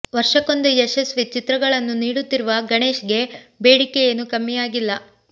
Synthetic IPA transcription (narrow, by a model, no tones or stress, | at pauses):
ʋɐɾʂɐko̞nd̪ueʃɐsʋit͡ʃit̪ɾɐɡɐɭɐnːuniːɽut̪ːiɾuʋɐɡɐɳe̞ːʃɡe̞be̞ːɽikejɐnːukɐmːijaːɡilːɐ